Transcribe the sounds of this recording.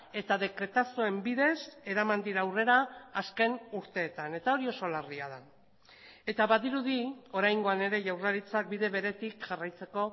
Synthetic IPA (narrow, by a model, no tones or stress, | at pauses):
e̞t̪aðe̞kɾe̞t̪asoe̞mbiðe̞se̞ɾamand̪iɾaːwre̞ɾaːske̞nuɾt̪e̞ːt̪ane̞t̪ao̞ɾio̞so̞lariað̞a | e̞t̪aβaðiɾuðio̞ɾajŋɡo̞ane̞ɾe̞ʝawraɾit͡sak̚biðe̞βe̞ɾe̞t̪ikʝarajt͡se̞ko̞